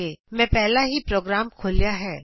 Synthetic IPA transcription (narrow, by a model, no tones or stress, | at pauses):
emɛ̃pɛɦlaɦipɾoːɡɾaːmkʰoːlijaɦɛː